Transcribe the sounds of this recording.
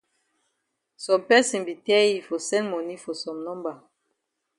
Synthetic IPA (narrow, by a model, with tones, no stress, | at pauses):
sɔ˨mpɛ˦sĩ˨nbi˨tɛ˦i˨fo˨sɛ̃˦nmɔ˨ni˦fɔ˨sɔ̃˨mnɔ̃˦mba˨